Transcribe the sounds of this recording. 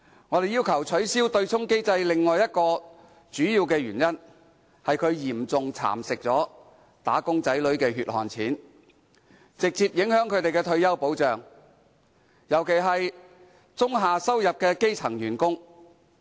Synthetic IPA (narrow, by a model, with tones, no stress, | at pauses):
ŋɔː˨˧ɾe˨jiː˥wkʰɐ˨˩wt͡sʰɵ˨˥ɥsiː˥wt̪ɵ˧ɥt͡sʰʊ˥ŋke˥jt͡sɐ˧jlɪ˨ŋːɔː˨jɐ˥t̚kɔː˧ | t͡ʃyː˨˥jiː˧wkɛː˧ɥyː˨˩njɐ˥n | hɐ˨jkʰɵ˨˧ɥjiː˨˩mt͡sʊ˨ŋt͡sʰa̰ː˨˩msɪ˨k̚t͡sɔː˨˥ | t̪a̰ː˨˥kʊ˥ŋt͡sɐ˨˥jlɵ˨˥ɥkɛː˧ɦyː˨t̚hɔ̰ː˨nt͡sʰiː˨˥n | t͡sɪ˨k̚t͡siː˧p̚jɪ˨˥ŋhœː˨˥ŋkʰɵ˨˧t̪e˨jkɛː˧t̪ʰɵ˧ɥjɐ˥wpo˨˥wt͡ʃœː˨ŋ | jɐ˨˩wkʰe˨˩jɦɐ˨j | t͡sʊ˥ŋɦaː˨sɐ˥wjɐ˨p̚kɛː˧ke˥jt͡sʰɐ˨˩ŋjyː˨˩nkʊ˥ŋ